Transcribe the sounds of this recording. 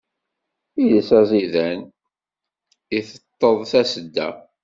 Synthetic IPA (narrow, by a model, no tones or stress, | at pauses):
ijəsæzˤiðæn | iθət̪ˤːəðˤθæsəd̪ːæ̰